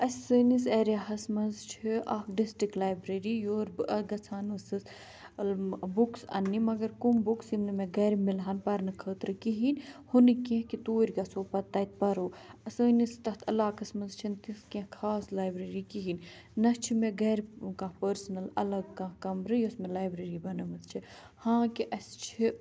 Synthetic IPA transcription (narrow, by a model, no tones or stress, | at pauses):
ɐsʲəːniseːɾjaɦɐsmɐnzt͡ʃʰiʔaːkɖisʈɾiklaːjbɾeɾijoːɾbɨɐɡɐt͡sʰaːnɨsɨs | buksɐ̰nːimɐɡɐɾkumbuksimnɨmẽɡɐɾmilɦanpɐɾnɨkʰəːt̪ɾɨkiɦiːnhunikẽɦkit̪oːɾʲɡɐsoːpɐt̪ːɐjt̪̚pɐɾoːɐsəːnist̪ɐɦt̪ʰɐlːaːkɐsmɐzt͡ʃʰint̪iskẽkʰaːslaːjbɾeɾikiɦiːn | nɐt͡ʃʰimẽɡɐːɾkãːpəɾsnɐlɐ̰lɐɡkãɦkɐmɾɨjosmẽlaːjbɾeɾibɐnɐmɐt̪t͡ʃʰi | hãːkiʔɐst͡ʃʰi